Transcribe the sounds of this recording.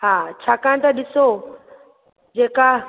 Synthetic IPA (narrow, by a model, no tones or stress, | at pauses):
ɦaːt͡ɕʰaːkãɽ̃t̪aɗɪso | d͡ʑeːka